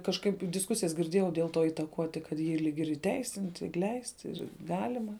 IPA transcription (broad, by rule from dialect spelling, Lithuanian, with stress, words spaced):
kɐʃˈkɐɪp dʲɪsˈkʊsʲɪjɛs ɡʲɪrʲˈdʲeːjɛʊ dʲeːlˠ toː iːtɐˈkuɔtʲɪ kɐt ˈjiː ˈlʲiːk ɪr iːˈtʲɛɪsʲɪnʲtʲɪ ɪr ˈlʲɛɪsʲtʲɪ ɪr ˈɡɑːlʲɪmɐ